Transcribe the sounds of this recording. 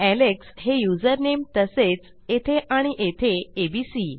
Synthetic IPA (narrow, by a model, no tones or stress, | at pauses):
ælekshejud͡zəɾnemt̪əset͡s | et̪ʰeʔaɽ̃iʔet̪ʰeebisi